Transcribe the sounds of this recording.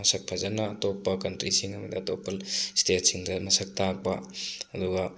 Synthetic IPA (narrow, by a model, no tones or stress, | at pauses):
mɐsɐk̚pʰɐzɐnɐːtopːɐkɐntɾisiŋɐmɐdiɐtopːɐstetsiŋdɐmɐsɐk̚tak̚pɐɐduɡɐ